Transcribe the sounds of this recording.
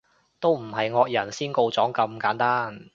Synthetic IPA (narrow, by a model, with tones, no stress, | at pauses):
t̪o˥wm̩˨˩ɦɐ˨jŋɔː˧k̚jɐ˨˩nsiː˥nko˧wt͡sɔː˨˥ŋkɐ˧mkaː˨˥nt̪aː˥n